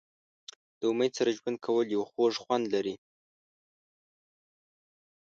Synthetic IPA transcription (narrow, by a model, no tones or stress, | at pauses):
d̪̥əʊmajsaɾaʒwand̪̚kʰawəljawxoʐxwand̪laɾi